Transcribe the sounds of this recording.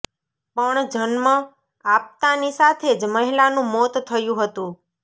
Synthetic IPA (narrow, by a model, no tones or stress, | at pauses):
pəɳd͡ʒənmã | ap̚t̪anisat̪ʰed͡ʒməɦilanũmot̪t̪ʰəjũɦət̪ũ